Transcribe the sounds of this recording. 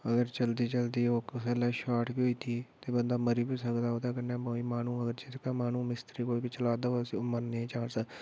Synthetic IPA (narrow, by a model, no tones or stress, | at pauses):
əɡəɾt͡ʃəld̪iːt͡ʃəld̪iːoːkəsɛːlaːʃaːʈbiːɦoːiːt̪ʰiːt̪eːbənd̪aːməɾiːbiːsəkd̪aːɦoːd̪aːkənaːboːiːmaːnũːəɡəɾd͡ʒɪt̪kaːmaːnũːmɪst̪ɾiːkoːiːbiːt͡ʃəlaːd̪aːsimənnẽt͡ʃaːnsə